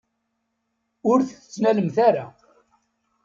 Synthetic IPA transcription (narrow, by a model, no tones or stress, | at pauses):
ʊɾθə̥t͡sːnæləmθaɾa